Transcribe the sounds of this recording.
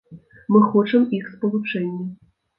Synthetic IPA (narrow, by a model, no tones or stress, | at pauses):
mɨxɔt͡ʂɐmixspɐvˠɨpʂɛnʲːi